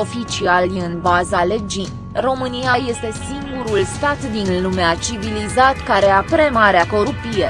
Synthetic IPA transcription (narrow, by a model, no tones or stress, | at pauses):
o̞fit͡ʃialɨnbazale̞d͡ʒi | ro̞mɨnijaje̞st̪e̞siŋɡuɾulst̪at̪d̪inlumeat͡ʃivilizat̪kaɾe̞apɾe̞maɾeako̞ɾupije